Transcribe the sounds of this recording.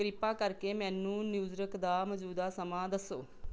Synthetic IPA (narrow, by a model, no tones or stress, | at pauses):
ɾɪpːaːkəɾkeːmɛ̃ːnːũːnjuːzɾəkʰd̪aːməd͡ʒuːd̪aːsəmãːd̪əsːoː